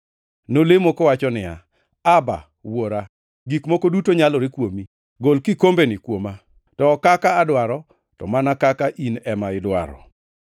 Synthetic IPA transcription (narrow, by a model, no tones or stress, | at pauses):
nolemokɔwat͡ʃɔnɪja̰ | aba̰ | woɾa | ɡikmokodutoɲalɔɾɪkwomi | ɡolkɪkombenɪkwoma | tɔkakaːdwaɾɔ | tɔ̰manakakaʔinɛmaɪdwa̰ɾɔ̰